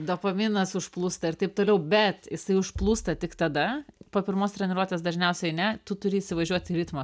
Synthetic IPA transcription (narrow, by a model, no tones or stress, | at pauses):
d̪oːpɐmʲɪnɐsʊʃplˠuːst̪ɐɪrt̪ɐɪp̚t̪oːlʲɛʊbʲɛt̪jɪsɐɪʊʃplˠuːst̪ɐt̪ʲɪkt̪ɐd̪ɐpoːpʲɪɾmoːst̪ʲɾʲɛnʲɪɾuɔt̪ʲeːs̬d̪ɐʒʲnʲɛʊsʲɛɪnʲɛt̪ʊt̪ʊɾʲɪːsʲɪʋɐʒʲuɔt̪ʲɪɾʲɪt̪mɐ